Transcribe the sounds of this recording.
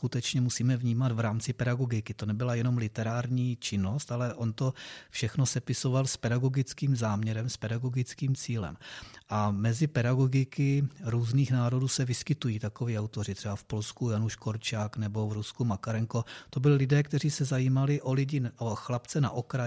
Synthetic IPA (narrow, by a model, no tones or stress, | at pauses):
skut̪ɛt͡ʃɲɛmusiːmɛvɲiːmat̪vɾaːmt͡sɪpɛdaɡo̞ɡɪkɪt̪o̞nɛbɪlajɛno̞mlɪt̪ɛɾaːɾɲiːt͡ʃɪno̞st̪alɛʔo̞nt̪o̞fʃɛxno̞sɛpɪso̞valspɛdaɡo̞ɡɪt͡skiːmzaːmɲɛɾɛmspɛdaɡo̞ɡɪt͡skiːmt͡siːlɛ̰mʔamɛzɪpɛdaɡo̞ɡɪkɪɾuːzniːxnaːɾo̞duːsɛvɪskɪt̪ujiːt̪akoviːawt̪o̞r̝ɪt̪r̥ɛbafpo̞lskujanuʃkoɾt͡ʃaːknɛbo̞vɾuskumakaɾɛŋko̞t̪o̞bɪlɪlɪdɛːkt̪ɛriːsɛzajiːmalɪʔo̞lɪɟɪʔoxlapt͡sɛna̰ʔokɾa